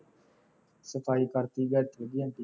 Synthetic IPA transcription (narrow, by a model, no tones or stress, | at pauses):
səfaikart̪iɡat̪əlɡiant̪i